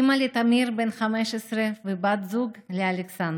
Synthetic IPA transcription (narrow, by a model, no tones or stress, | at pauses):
malet̪amiɾbenχameʃesɾevebat̪zuɡlealeksand̪